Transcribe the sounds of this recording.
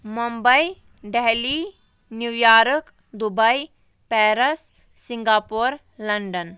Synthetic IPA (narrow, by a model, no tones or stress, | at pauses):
məmbəi | ɖeɦli | njuʋjaɾək | d̪ubəj | pɛɾəsː | iŋɡapoɾ | ləɳɖən